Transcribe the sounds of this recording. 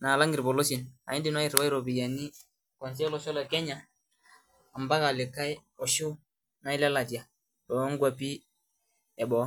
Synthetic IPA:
na˨la˦ŋɡi˨ɾbɔ˨lo˦si˨na̰˨i˦ndi˨nwa˦i˨ɾwa˦i˦ɾɔ˨bi˨ja˨ni˦ | kɔ˨ns̬ɛ˦lɔ˨ʃɔ˦lɔ˨kɛ˦ɲa˨ | a˨mba˦ka˨lɪ˨ka˦j | ɔ˨ʃʊ˦ | na˨˦i˦lɛ˦la˨di˨a˨ | ɾɔ˨˦ŋ˦ɡwa˨pi˦ | ɛ˨bɔ˨˦

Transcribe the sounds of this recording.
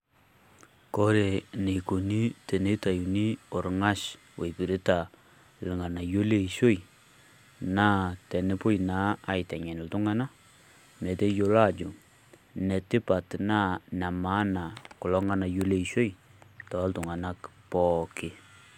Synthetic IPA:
ko˦ɾe˨ne˨ku˨ni˦te˨ne˦ta˨ju˨ni˦o˨ɾŋa˦ʃ | we˨pi˨ɾi˦ta˨ | lɪ˨ŋa˨na˨jo˦le˦˨ʃo˦j | naː˦tɛ˨nɪ˦pʊ˦jna˦a˨jtɛ˨ɲɛ˨nɪ˨ltu˦ŋa˦na˦ | me˨te˦jo˨la˦˨d͡ʒʊ˨ | ne˨tɪ˦pa˨tna˦na˨ma˦na˨kʊ˨lɔ˦ŋa˦na˨jo˦le˦˨ʃo˦jtɔ˨˦ltʊ˨ŋa˨na˦kpɔ˦kɪ˨

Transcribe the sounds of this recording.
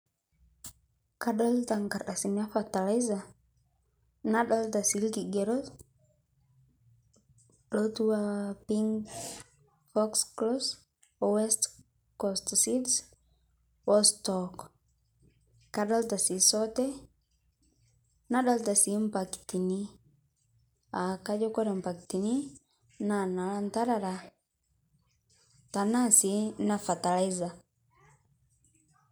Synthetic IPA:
ka˨ɗa˦lda˨ŋɡa˨ɾʔa˨si˨na˦fa˨ta˨la˦jza˨ | na˦ɗa˦ld̪a˨si˨˦lɡi˨ɡe˨ɾo˦s | ɗo˦t̪u˦wa˦pi˦ŋɡ | fɔ˦ksklo˦s | we˦st | ko˨st̪si˦ds | wo˦stɔ˨k | kaɗalta˨si˨sɔtɛ | naɗalta˨si˨mpakti˨ni˦ | a˨kad͡ʒɔkɔ˦ɾe˨mpa˨kti˨ni | nanalanta˦ɾaɾa | ta˨na˦si˨na˨fa˨ta˨laiza

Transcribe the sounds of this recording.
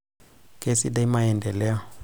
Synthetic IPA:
kʼe˦si˦da˦i˦ma˦ɛ˨ndɛ˨lɛ˦ɔ˨

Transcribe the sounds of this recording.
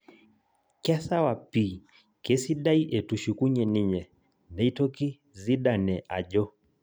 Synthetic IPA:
kɛ˦sa˦wa˨pi˨ | kɛ˦si˦ɗa˦i˦ʔɛ˨tu˨ʃu˨ku˦ɲɛ˨ni˦ɲɛ˨ | nɛ˨˦i˦tɔ˦ki˦ | zi˦ɗa˨nɛ˨ʔa̰˨ʄɔ˦

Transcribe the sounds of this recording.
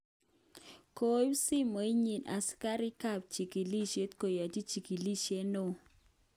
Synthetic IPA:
ko˦ju˦si˦mo˨i˦ɲi˨nʔa̰˨ska˦ɾi˦ka˦˨p̚t͡ʃi˨ki˨li˦ʃe˦t̪ko˨ja˨t͡ʃi˦t͡ʃi˨ki˨li˦ʃe˦no˦˨

